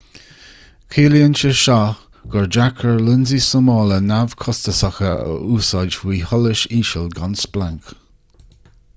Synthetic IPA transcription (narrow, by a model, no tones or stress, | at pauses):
kʰiːljənt͡ʃəʃa | ɡ̥ɔɹd͡ʒakʰəɹlɪnzisəmɔːlənavkʰɔstəsaxəə̰ʔuːsɑd͡ʒwiːhɔləʃiːʃəlɡansplaŋk